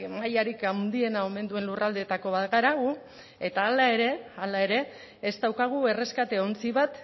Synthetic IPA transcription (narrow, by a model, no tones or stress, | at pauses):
majaɾikawnd̪ie̞nao̞me̞nd̪ue̞nlurʔald̪et̪ako̞βat̪ɣaɾaɣu | e̞t̪aːlae̞ɾe̞alae̞ɾe̞ː | zd̪awkaɣ̞ue̞re̞skat̪e̞ont͡siβat̪